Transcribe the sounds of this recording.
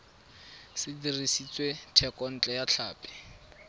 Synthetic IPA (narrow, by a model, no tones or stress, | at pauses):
sɪdirisit͡sʼwetʰɛkʼɔn̩t͡ɬʼɛjat͡ɬʰaːpʼɛ̥